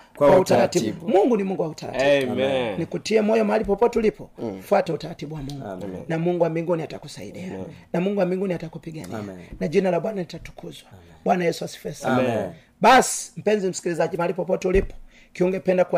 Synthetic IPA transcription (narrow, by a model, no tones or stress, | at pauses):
wautaatimuŋɡunimuŋɡuwautaɾa̰tibnikutiɛmɔjɔmaalipɔpɔtɛulipɔfwatɛutaɾatiɓuwamuŋɡunamuŋɡuwambiŋɡuniataku̥sa̰ḭɗianamuŋɡuwambiŋɡuniatakupiɡa̰nḭnaʄinalaɓwanalitatu̥kʰuzwa | ɓwanajɛsuwasi̥fɛsa | ɓasi̥m̩pɛɲzim̩si̥kilizaʄimaalipɔpɔtɛulipɔ̥ | kiuŋɡɛpɛndakua